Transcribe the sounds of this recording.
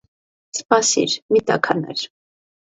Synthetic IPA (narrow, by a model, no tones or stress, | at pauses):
spɑsḭɾmit̪ɑ̰kʰɑnɛ̰ɾ